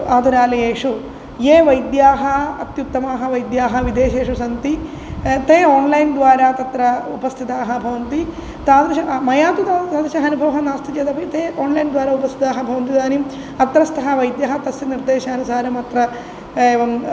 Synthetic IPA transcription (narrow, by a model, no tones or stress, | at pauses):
aːd̪uɾaːlɐjeːʂu | jeːʋɐjd̪jaːɦɐɐt̪jut̪ːɐmaːɦɐʋɐjd̪jaːɦɐʋid̪eːʃeːʂusɐnt̪i | t̪eːoːnlɐjnd̪ʋaːɾat̪ɐt̪ɾɐupɐst̪ʰit̪aːɦɐbʱɐʋɐnt̪i | t̪aːd̪ɐʃɐmɐjaːt̪ut̪asaːd̪ɐʃɐɦɐnubʱɐʋɐɦɐnaːst̪ʰid͡ʒeːd̪ɐpʰɐt̪eːʔoːnlɐjnd̪ʋaːɾaupɐst̪ʰit̪aːɦɐbʱɐʋɐnt̪̬id̪aːnim | ɐt̪ɾɐst̪ʰɐɦɐʋɐjd̪jaːɦɐt̪ɐsiniɾd̪eːʃɐːnusaːɾɐmɐt̪ɾɐ | eːʋɐm